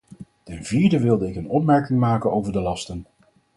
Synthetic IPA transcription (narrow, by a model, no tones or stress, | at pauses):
tɛnviːɹdəʋɪlˠdəɪkənɔpmɛɹkɪŋmaːkənowvəɹdəlɑstən